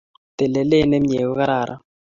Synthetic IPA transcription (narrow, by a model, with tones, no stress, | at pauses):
t̪ɛ˨lɛ˨le˦ne˦m˦ɲe˨kɔ˦ka˦ɾa˨ɾʔa̰˦